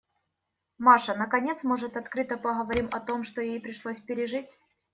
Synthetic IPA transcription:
maʂənəkɐnʲe̞t̪smo̞ʐɨt̪ɐt̪kɾɨt̪əpəɣəvɐɾʲimɐt̪o̞mʂt̪ojejpɾʲɪʂlˠosʲpʲɪɾʲɪʐɨtʲ

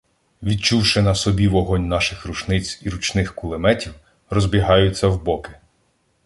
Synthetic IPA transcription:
ʋʲid̪̚t͡ʃuwʃɪnɐsɔbʲiʋɔɦɔnʲnɑʃɪxruʃnɪt͡sʲiɾut͡ʃnɪxkʊlˠɪmɛtʲiw | rɔzbʲiɦɑjʊt͡sʲːɐwbɔkɪ̥

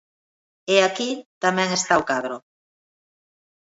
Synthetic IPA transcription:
eakit̪amẽŋest̪aokaðɾo

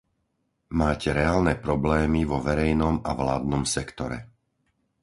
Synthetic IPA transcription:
maːcɛɾɛaːlnɛpɾɔblɛːmiʋɔʋɛɾɛjnɔmaʋlaːd̪nɔmsɛkt̪ɔɾɛ̰

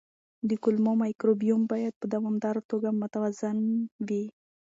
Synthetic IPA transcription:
d̪əkʊlmomajkɾobijumbɑjad̪̚pəd̪awɑmd̪aɾat̪oɡamʊt̪awazanwi

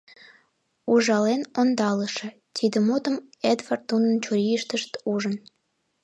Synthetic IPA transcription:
uʒɑlenond̪ɑləʃĕ | t̪ʲʰid̪əmut̪əmed̪vart̪ːunənt͡ɕuɾʲiəʃt̪əʃt̪uʒən

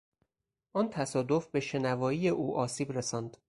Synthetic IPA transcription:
ʔɒːnt̪ʰæsɒːd̪o̞fbe̞ʃe̞nævɒːiːje̞ʔuːʔɒːsiːbɾesɒːnd̪̥

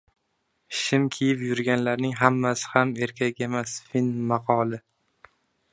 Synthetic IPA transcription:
ʃɪmkʲʰijɪpjʊɾɡʲanlaɾnɪŋɦamːasɪ̥hame̞ɾkʲʰakʲe̞masfinmɑqʰɒlˠɪ

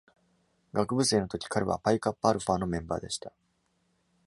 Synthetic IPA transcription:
ɡakɯ̟bɯ̟se̞ːno̞t̪o̞kʲi̥kʰaɾeβa̰paikapːaːɾɯ̟paːno̞mẽ̞mba̰ːd̪e̞ɕi̥t̪a

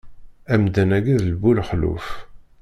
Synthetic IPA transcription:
æmd̪ænæɡiðlbulħlṵf

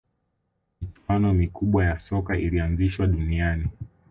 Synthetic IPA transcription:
mit͡ʃuwanɔmikuɓwajasɔkailianziʃwaɗuniani

